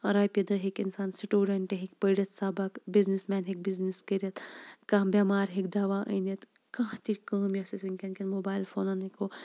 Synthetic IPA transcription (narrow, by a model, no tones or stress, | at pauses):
ɐɾaːjpid̪ɐɦikinsaːnsiʈuːɖɐɳʈeɦikpəjɖɐt̪saːbɐkbiznismɛːnɦik̚bizniskəɾɐt̪kãːbʲɐmaːɾɦikd̪aːʋaːʔɐ̰jnɐt̪kãɦt̪iɾʲkɐːmjɐsɐsʋinʲkʲɐnkɐnmoːbaːjlfoːnɐniko